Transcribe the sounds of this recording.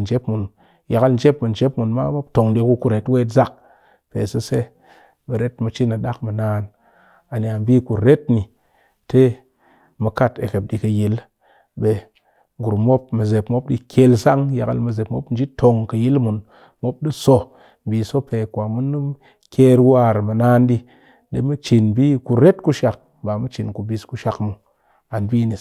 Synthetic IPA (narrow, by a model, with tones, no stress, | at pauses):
n˨d͡ʒe˦pmu˨n | ja˨kə˧ln˦d͡ʒe˦pmu˨n̩˨d͡ʒe˦pmu˨nma̰˦mo˦p̚to˨ŋdi˧ku˧ku˦ɾe˨twe˦tza˦k̚ | pḛ˨sə˦se˦ | ɓe˨ɾe˦tmɨ˧t͡ʃi˦nɨ˨ɗa˦kmɨ˨naː˦n | a˨n˨a˨m˦bi˦ku˨ɾe˦tni˨ | te˦ | mɨ˧ka˦tḛ˨ke˨p̚ɗi˧kə˧ji˨˦l | ɓe˨ | ɡu˨ɾmo˦pmɨ˨ze˨pmo˦p̚ɗḭ˦kʲʰe˧lsa˦ŋja˨kə̰˨lmɨ˧ze˨pmo˦pn̩˦d͡ʒi˦tʰo˨ŋkə˧ji˦lmu˨n | mo˦p̚ɗi˦so˧ | m̩˨bi˨so˦pe˨kʷa˨mu˦nːu˦ | kʲe˦ɾwa˦˨ɾmɨ˨naː˦nɗi˧ | ɗḛ˨mɨ˦t͡ʃi˨nbi˦ku˧ɾe˦tku˦ʃa˨k̚ | ba˨mɨ˦t͡ʃi˨nku˨bi˧sku˧ʃa˨kmu˨ | a˨nbiː˦ni˨